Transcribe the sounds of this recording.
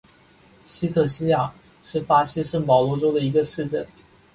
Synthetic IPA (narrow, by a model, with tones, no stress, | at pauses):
ɕi˥t̪ʰɤ˨˩ɕi˥ja˨˩ | ʂɻ̩˥˩pa˥ɕi˥ʂ̩˥˩mɑ˨˩ʊlwɔ˧˥ʈ͡ʂo˥ʊd̪ə˨i˧˥ɡə˧ʂɻ̩˥˧ʈ͡ʂə˥˩n